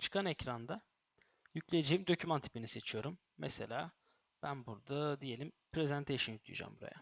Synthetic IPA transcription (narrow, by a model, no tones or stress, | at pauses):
t͡ʃʰɯ̥kʰanecɾand̪a | jyclʲejed͡ʒejimd̪o̞cʰymant̪ʰi̥pinise̞t͡ʃʰijo̞ɾumːɛselʲaː | b̥ænbuɾd̪ad̪ije̞lʲimpʰɾezænt̪ʰejʃɯnjyk̚clʲˠḭj̰ṵd͡ʒa̰mbuɾa̰ja̰